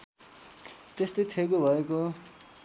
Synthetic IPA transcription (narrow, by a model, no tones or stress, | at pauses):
t̪est̪ʌjt̪ʰekobʱʌeko